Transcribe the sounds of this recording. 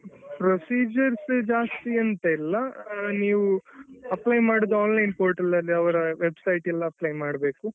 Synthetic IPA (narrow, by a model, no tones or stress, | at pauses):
pɾosiːd͡ʒɐɾsd͡ʒaːst̪iɐnt̪ɐilːɐniːʋuɐplɐjmaːɽud̪uaːnlɐjnpoːɾʈɐlɐlːiɐʋɐɾɐʋebsɐjʈɛlːɐːplɐjmaːɽbe̞ːku